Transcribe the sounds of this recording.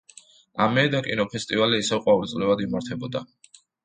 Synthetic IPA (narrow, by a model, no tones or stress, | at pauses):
amɛd̪akʼinɔpʰɛst̪ʼivaliːsɛvqʼwavɾit̪sʼlɛvad̪imaɾt̪ʰɛbɔd̪a